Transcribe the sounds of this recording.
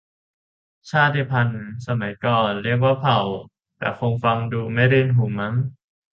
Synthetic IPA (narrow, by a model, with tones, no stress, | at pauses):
t͡ɕʰaː˥˩t̪ʰːiː˧˥˩pʰa˧nsa˧ma˨˩˦jkɔː˨˩nɾi˥˩ək̬waː˥˩pʰa˨˩˦w | t̪ɛ̰ː˨˩kʰo˧ŋfa˧ŋduː˧ma˥˩jɾiː˧˩nɦu˨˩˦ma˦˥ŋ